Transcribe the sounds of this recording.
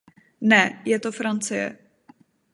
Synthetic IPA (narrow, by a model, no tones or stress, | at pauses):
nɛjɛt̪ofɾant͡sɪjɛ̰